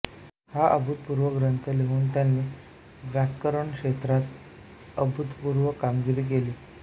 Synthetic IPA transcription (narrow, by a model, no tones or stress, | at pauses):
haʔəbʱut̪̚puɾʋəɡɾənt̪ʰəleɦuːnt̪janːiː | ʋjakːəɾəɳkʂet̪ɾat̪ | əbʱut̪puɾʋəkamɡiɾiːk̬eliː